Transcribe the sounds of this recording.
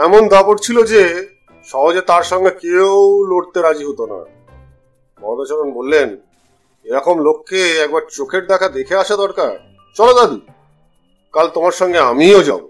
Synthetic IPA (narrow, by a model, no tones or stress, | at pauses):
ɛmond̪apoʈt͡ɕʰilod͡ʑe | ʃɔɦod͡ʑet̪aɾʃɔŋɡekeoloɽt̪eɾad͡ʑiɦot̪ona̰ | mɔd̪at͡ɕaɾonbolːen | eɾɔkomlokʰːeɛk̚baɾt͡ɕokʰeɾd̪ɛkʰad̪ekʰeaʃad̪ɔɾkaɾ | t͡ɕɔlod̪ad̪i | kalt̪omaɾʃɔŋɡeamiod͡ʑa̰bo